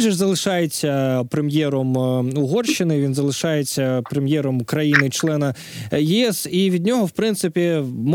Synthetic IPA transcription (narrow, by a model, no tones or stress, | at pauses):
ʒɪʐzɐlˠɪʃɑjet͡sʲːɐpɾemjɛɾɔmʊɦɔrʃɪnɪʋʲinzɐlˠɪʃɑjet͡sʲːɐpɾemjɛɾɔmʊkɾɐjinɪt͡ʃlˠɛnɐ | jɪɛsiʋʲidʲnʲɔɦɔwpɾɪnt̪sɪpʲim